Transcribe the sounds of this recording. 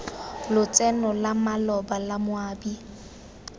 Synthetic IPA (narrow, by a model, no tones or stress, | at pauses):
lʊt͡sʼɛnɔlamalɔbalamʊaːbi